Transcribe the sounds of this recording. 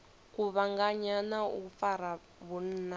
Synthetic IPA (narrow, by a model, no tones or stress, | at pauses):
kuβaŋɡaɲanaṵfaɾa | βun̩a